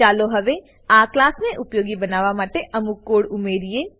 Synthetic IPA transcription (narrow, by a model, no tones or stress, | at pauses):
aːloɦɐʋe | aːklaːsnẽʔʊpjoːɡibənaːʋamaːʈeʔɐmukːoːɽʊmeːɾieː